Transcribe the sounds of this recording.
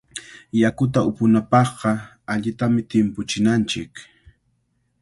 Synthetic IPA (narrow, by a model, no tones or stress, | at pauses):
jakʊt̪aʊpʊnapɑχɢɑ | aʎɪt̪amɪt̪ɪmpʊt͡ʃɪnant͡ʃɪk